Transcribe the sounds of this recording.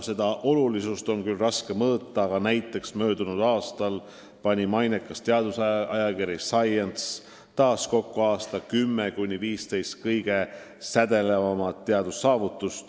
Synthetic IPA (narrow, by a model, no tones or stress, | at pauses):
se̞d̪̥ɑʔo̞lulisust̪o̞nkylrɑske̞mɤːt̪ːˑɑːɡɑnæjt̪ːˑe̞ksmø̞ːd̪unud̪̥ɑːst̪ɑl | pɑnʲimɑjnekːˑɑst̪eɑd̪usɑɑjɑkiɾjisɑjent̪s | t̪ɑːsko̞kːoɑːst̪ɑkymːekunʲiviːst̪e̞jst̪̚kɤjɡ̥e̞ | sæd̪̥e̞le̞vɑmɑt̪ːeɑd̪̥usːɑːvut̪ːˑust̪